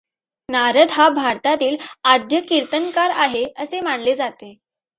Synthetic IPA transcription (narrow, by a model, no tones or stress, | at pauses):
naɾəd̪ɦabʱaɾt̪at̪iːlad̪jəkiɾt̪əŋkaɾaɦeəsemaɳled͡zat̪e